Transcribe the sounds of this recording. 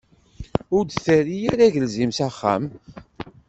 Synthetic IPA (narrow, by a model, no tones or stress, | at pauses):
ʊɾd̪θæɾijæɾæʝəlzimsæχːæ̰m